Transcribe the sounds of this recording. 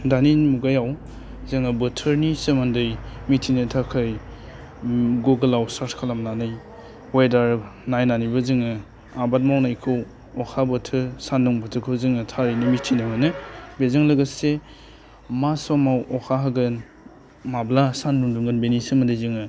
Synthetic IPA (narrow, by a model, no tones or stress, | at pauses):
daninmuɡajaw | zɯŋɯbətʰəɾnisɯmandɯjmitʰinɯtʰakʰaj | ɡoɡɐlawsatkʰalamnanɯj | wajdaɾnajnanibɐzɯŋɯ | abat̬̚mawnajkʰɯw | ɔkʰabətʰɯɾsanduŋbətʰɯkʰɯwzɯŋɯtʰaɾijnimitʰinɯmɯnɯbezaŋlɐɡase | masamawʔɔkʰaɦaɡɯn | mablasanduŋduŋɡɯnbenisɯmandɯjzɯŋɯ